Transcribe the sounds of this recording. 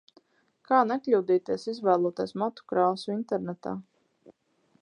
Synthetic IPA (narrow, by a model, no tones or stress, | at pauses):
kʰaːnɛklʲuːd̪iːt̪iɛsizvæːlˠuːt̪iɛsmɔt̪u̥kɾaːsuint̪ɛɾnɛt̪a̰ː